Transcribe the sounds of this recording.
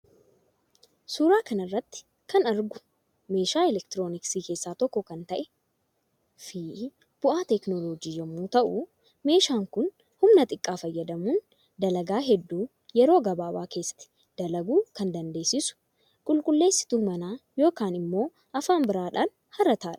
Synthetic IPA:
suːɾaːkɐnɐrːɐt̪ːɪ̥ | kɐnɐɾɡʊ | me̞ːʃaːɛlɛkt̪ɪɾo̞ːnɪksiːke̞ːsːaːt̪ɔkːɔkɐnt̪ɐʔɛ̥ | fiːʔ | b̥ʊʔaːt̪ɛknoloːd͡ʒiːd͡ʒɛmːuːt̪ɐʔʊ | me̞ːʃaːŋkʊn | hʊmnɐt̪ʼɪkʼːaːfɐjːɐd̪ɐmuːn | d̪ɐlɐɡaːɦɛd̪ːuː | jɛɾo̞ːɡɐbaːbaːke̞ːsːɐ̥t̪ɪ̥ | d̪̥ɐlɐɡuːkɐnd̪ɐnd̪e̞ːsɪsʊ̥ | kʼʊlkʼʊlːe̞ːsːɪ̥t̪uːmɐnaːjo̞ːkaːnɪmːo̞ː | ʔɐfaːmbɪɾaːᶑaːn | hɐɾɐt̪aːᶑɐ̥

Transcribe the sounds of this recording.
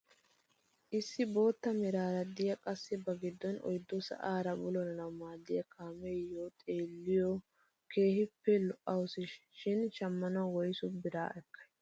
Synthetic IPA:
ʔɪsːɪbo̞ːt̪ːɐmɪɾaːɾɐd̪ɪjɐkʼɐsːɪbɐɡɪd̪ːɔnɔ̰jd̪ːɔsɐ̰ʔaːɾɐbʊlɔnnɐwmaːd̪ːɪjɐkaːmejoːt̪ʼeːlːɪjɔ | ke̞ːhɪpːɛlɔʔɐwʊsɪʃʃɪnt͡ʃɐmːɐnɐwwɔjsʊbɪɾa̰ːʔɛkːɐ̥j

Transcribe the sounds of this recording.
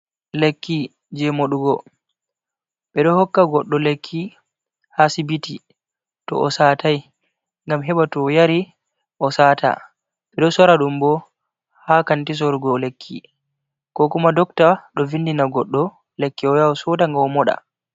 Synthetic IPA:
lekːi | d͡ʒɛmoɗuɡɔ | ɓɛɗɔhɔkːaɡɔɗːɔlekʰːi | hasibiti | tɔ̰ʔɔsataj | ŋɡamɦɛɓatɔjaɾi | ʔɔsaːta̰ | ɓɛɗɔsɔɾaɗumbɔ | hakantis̬ɔɾɡɔlekʰːḭ | kɔkumadɔktaɗɔvindinaɡɔɗːɔ | lekːiɔjawsɔdaŋɡaɔmɔɗa̰

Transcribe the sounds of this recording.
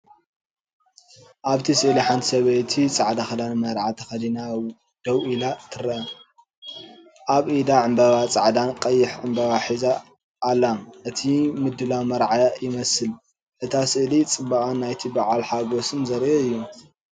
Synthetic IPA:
ʔaβt̪ʰisɨʔliħant̪ʰi̥sɐβɐjt̪ʰit͡sʼaʕd̪axɐd̪anmɐɾʕat̪ʰɐxɐd̪ina | d̪̥ɐwʔilat̪ʰɨɾɐʔɐ | ʔaβʔid̪aʕɨmbɐβat͡sʼaʕd̪ankʼɐjːɪħʕɨmbɐβaħiza | ʔːlːaʔɨt̪ʰimɨd̪ːɨlawmɐɾʕajajɪmɐsɨl | ʔɨt̪ʰasɨʔlit͡sʼɨbːakʼanːajt̪ʰibaʕalħaɡosɨnzɐɾʔeɨjːu

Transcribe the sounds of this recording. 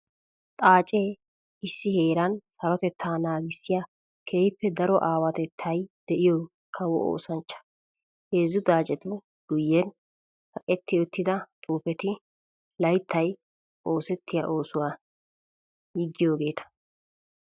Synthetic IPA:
t̪ʼaːt͡ʃʼe | ɪsːɪhe̞ːɾɐnsɐɾɔt̪ɛt̪ʰːaːnaːɡɪsːɪja | kʰeːhpːɛd̪ɐɾɔʔaːwɐt̪ɛt̪ʰːɐjd̪̥ɛʔɪjɔ | kʰɐwɔʔo̰ːsɐnt͡ʃːɐ̥ | heːzːʊd̪aːt͡ʃʼɛt̪ʊ | ɡ̥ʊjːɛn | kɐkʼɛt̪ːɪjɔt̪ːɪd̪ɐt̪ʼuːpɛt̪ɪ | lɐjt̪ʰːɐj | ʔo̞ːsɛt̪ʰːɪjaʔo̞ːsʊwaː | jɪɡːɪjoːɡe̞ːt̪ɐ̥

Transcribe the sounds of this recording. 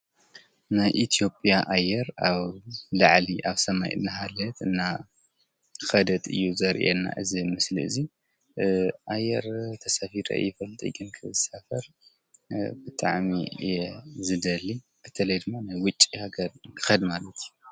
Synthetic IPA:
najʔit̪ʰijo̞pʼjaʔajːɛɾaβlaʕliʔaβsɐmajɨ̰nːɨɦalɐt̪ɨnːa | xɐd̪ɐt̪ʼɨ̰jːuzɐɾʔḛnːa̰ʔɨzimɨslḭɨ̰zi | ʔajːɛɾt̪ʰɐsafiɾɐ̰jɪfɐlt̪ʼḭɡɨnkʰɨβɨsafɐɾ | bɨt̪ʼa̰ʕmḭɛzɨd̪ɐli | ɨt̪ʰɐlɐjd̪ɨmːanajwʊt͡ʃʼːihaɡɐɾkʰɨxɐd̪malɐt̪ʰiju

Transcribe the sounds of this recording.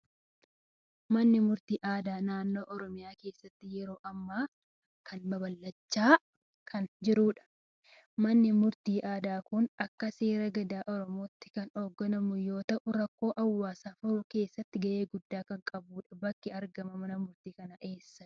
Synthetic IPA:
mɐnːɪmʊɾt̪iːʔaːd̪aːnaːnːo̞ːʔɔɾɔmɪjaːke̞ːsːɐt̪ːɪjɛɾo̞ːʔɐmːaː | kʰɐnmɐbɐlːɐt͡ʃːaː | kʰɐnd͡ʒɪɾuːᶑɐ̥ | mɐnːɪmʊɾt̪iːʔaːd̪aːkʊnɐkːɐseːɾɐɡɐd̪aːʔɔɾɔmoːt̪ːɪ̥kɐno̞ːɡːɐnɐmʊjo̞ːt̪ɐʔʊɾɐkːo̞ːʔɐwːaːsaːfʊɾʊke̞ːsːɐt̪ːɪɡɐʔe̞ːɡʊd̪ːaːkɐŋkʼɐbuːᶑɐ̥bɐkːɪɐɾɡɐmɐmɐnɐmʊɾt̪iːkɐnɐʔe̞ːsːɐ

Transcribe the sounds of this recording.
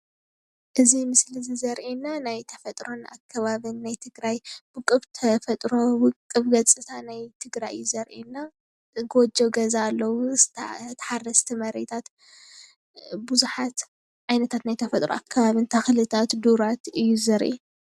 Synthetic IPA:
ʔɨzimɨslizɨzɐɾʔinanajt̪ʰɐ̥fɐt̪ʼɾona̰kʰːɐβaβɨnːajt̪ʰɨɡɾajbɨkʼːɨβt̪ʰɐfɐt̪ʼɾobɨkʼːɨβɡɐt͡sʼɨt̪ʰanajt̪ʰɨɡɾajɨjːuzɐɾʔinːa | ɡod͡ʒɐɡɐzaːlːɐwut̪ʰɐ̥ħarːɐst̪ʰimɐɾet̪ʰat̪ | buzuħat̪ | ʕajnɐt̪ʰat̪najt̪ʰɐfɐt̪ʼɾoʔakʰːɐβaβɨnt̪ʰɐxlɨt̪ʰat̪d̪uɾat̪ɨjːuzɐɾʔḭ

